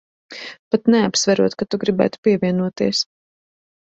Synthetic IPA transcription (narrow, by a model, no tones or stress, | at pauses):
pat̪nɛapsvæɾuɔt̪̚kat̪uɡɾibæ̰ːt̪u̥piɛvʲiɛnuɔt̪iɛs